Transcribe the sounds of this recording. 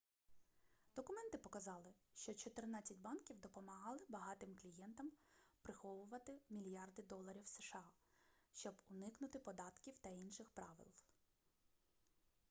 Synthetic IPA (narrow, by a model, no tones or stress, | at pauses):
d̪ɔkʊmɛnt̪ɪpɔkɐzɑlˠɪʃt͡ʃɔt͡ʃɔt̪ɪrnɑt͡sʲːɐtʲbɑnkʲiwd̪ɔpɔmɐɦɑlˠɪbɐɦɑt̪ɪmklʲijɛnt̪ɐmpɾɪxɔʋʊʋɐt̪ɪmʲilʲjɑrd̪ɪd̪ɔlˠɐɾʲiwseʃɑʃt͡ʃɔbʊnɪknʊt̪ɪpɔd̪ɑt̪kʲiwt̪ɐinʃɪxpɾɑʋɪ̰lˠ